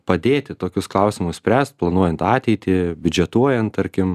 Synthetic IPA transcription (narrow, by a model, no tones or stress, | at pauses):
pɐd̪ʲeːt̪ʲɪt̪oːkʲʊsklˠɐʊsʲɪmʊssʲpʲɾʲæːst̪̚plˠɐnuɔjɛnt̪ɑːt̪ʲɛɪt̪ʲɪbʲʊd͡ʒʲɛt̪uɔjɛnt̪̚t̪ɐɾʲkʲɪm